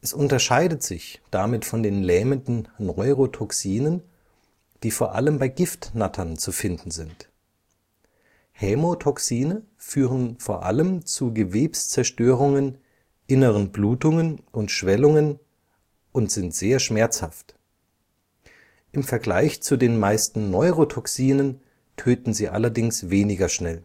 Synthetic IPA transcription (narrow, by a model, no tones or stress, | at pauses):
ʔɛsʔʊntɐʃaɪdətz̥ɪçd̥amɪtfɔndeːnlɛːməndn̩nɔʏʁotʰɔksiːnən | d̥iːfoːɐʔa̰ləmbaɪɡɪftnatʰɐnt͡sufɪndn̩zɪnt | hɛmotʰɔksiːnə | fyːʁənfoːɐʔa̰ləmt͡suɡəveːpst͡sɛɐʃtøːʁ̞ʊŋən | ʔɪnəʁənbluːtʊŋənʔʊntʃv̥ɛlʊŋən | ʔʊntz̥ɪntz̥eːɐʃmɛɐt͡sha̰ft | ʔɪmfɛɐɡlaɪçt͡sudeːnmaɪstn̩nɔʏʁotʰɔksiːnən | tʰøːtn̩ziːʔa̰lɐdɪŋsveːnɪɡɐʃnɛl